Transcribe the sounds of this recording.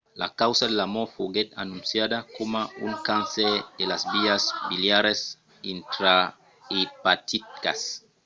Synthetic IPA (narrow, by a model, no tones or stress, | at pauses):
la̰kawsadelamofoɡet̪anunsjad̪akomauŋkansed̪̥elazbiasbiljaɾes | int̪ɾa | ipat̪it̪̚ka̰s